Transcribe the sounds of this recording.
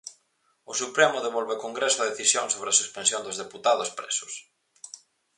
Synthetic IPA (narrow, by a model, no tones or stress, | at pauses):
ʊsupɾemʊðeβɔlβekoŋɡɾesʊɐðeθisjoŋsoβɾeɐsuspensjond̪ʊzðeput̪aðʊspɾḛsʊ̥s